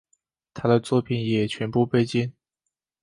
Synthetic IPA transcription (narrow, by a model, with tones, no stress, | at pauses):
t̪ʰa˥d̪ə˨t͡swɔ˥˩pʰi˨˩njɛ˨˩t͡ɕʰɥɛ˧˥npu˥˧pe˥˧ɪt͡ɕi˥˩n